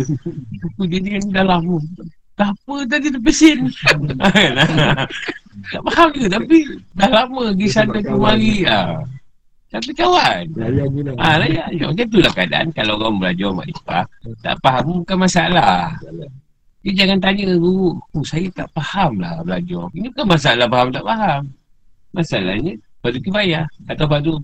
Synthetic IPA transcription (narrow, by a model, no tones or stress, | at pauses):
akud͡ʒiniandahlamə | t̪apət̪̬adidəpəsɪnakana | t̪aʔpahamd͡ʒuɡat̪̬apidahlaməɡisanak̪umaɾia̰ | t̪ap̬ikawan | alajaja̰makant̪̬ulahkəada̰ʔa̰nkalaɣabəlad͡ʒɔma̰ʔdipa̰t̪a̰ʔpaɦambukanmasaalah | d͡ʒd͡ʒaŋant̪̬aɲəduʔkusajat̪a̰ʔpahamla̰hbəlad͡ʒɔrinibukanmas̬aalahpaɦamt̪aʔpaɦamː | asala̰hɲəpadukibajahkat̪awpadu